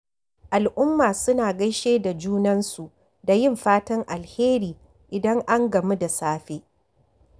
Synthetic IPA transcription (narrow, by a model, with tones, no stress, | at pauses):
ʔa˨lʔʊ˦mːaː˨sʊ˦naː˨ɡɐ˦jʃeː˦da˨d͡ʒuː˦nɐ˦nsu˨ | da˨jɪ˦˨mɸaː˦tɐ˦ŋʔa˨lheː˦ɾiː˨ | ʔɪ˨dɐ˦ŋʔa˦ŋɡɐ˨mu˦da˨saː˦ɸe˦